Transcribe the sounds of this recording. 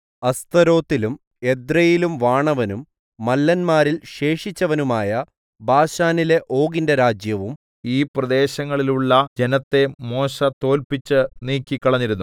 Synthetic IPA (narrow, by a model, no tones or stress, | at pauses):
ɐst̪ɐɾo̞ːt̪ːilum | e̞d̪rɐjilumʋaːɳɐʋɐnumː | ɐlːɐnmaːɾilɕe̞ːʂit͡ɕːɐʋɐnumaːjɐ | bʱaːɕaːnile̞ʔo̞ːɡindeɾaːd͡ʑjɐʋum | iːprɐd̪e̞ːɕɐŋːɐɭiluɭːɐd͡ʑe̞nɐt̪ːe̞mo̞ːɕɐt̪o̞ːlpit͡ɕːɨniːkʲːikːɐɭɐɲːiɾunːu